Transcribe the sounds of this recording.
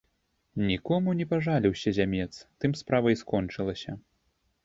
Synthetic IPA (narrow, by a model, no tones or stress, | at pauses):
nʲikɔmunʲɛpaʐalʲiwsʲɐzʲamʲɛt̪st̪ɨmspɾavɐjskɔnt͡ʂɨlˠɐsʲɐ